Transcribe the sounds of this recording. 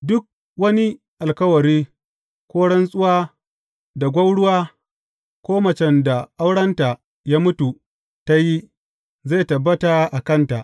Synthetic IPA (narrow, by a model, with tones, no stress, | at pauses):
dʊ˦k̚ | wɐ˦ni˦ | ʔa˨lkɐ˦wɐ˨ɾiː˦ | kʷoː˦ɽɐ˦nsʼʊ˦waː˦ | da˨ɡʷɐ˦wɽʊ˦waː˦ | kʷoː˦mɐ˨t͡ʃɛ˦nda˨ʔa˦wɽɐ˦nta˨ | jaː˦mʊ˦tu˨ | ta˦ji˦ | zaː˦˨tɐ˨bːɐ˦ta˨ʔa˨kɐ˦nta˨ʔ